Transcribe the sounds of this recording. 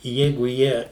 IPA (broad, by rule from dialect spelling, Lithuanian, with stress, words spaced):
ˈjɛɪɡʊ ˈjiɛ